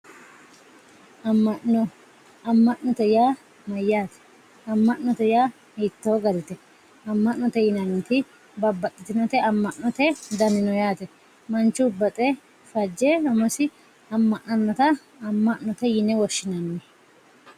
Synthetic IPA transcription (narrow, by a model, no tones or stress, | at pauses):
ɐmːɐɔ | ɐmːɐʔɔt̪ɛjaː | mɐjːaːt̪ɛ̥ | ɐmːɐʔːɔt̪ɛjaː | hit̪ːoːɡɐd̪ɛt̪ɛ | ɐmːɐʔːɔt̪ɛjɪnɐnt̪ɪ | bɐbːɐt̪ʼːɪt̪ɪnɔt̪ɛɐmːɐʔːɔt̪ɛd̪ɐnɪnɔjaːt̪ɛ | mɐnt͡ʃːʊbːɐt̪ʼɛ | fɐd͡ʒːɛmɔsɪ | ɐmːɐʔnɐnːɔt̪ɐː | mːɐʔnɔt̪ɛjɪnɛwɔʃːɪnɐnːɛ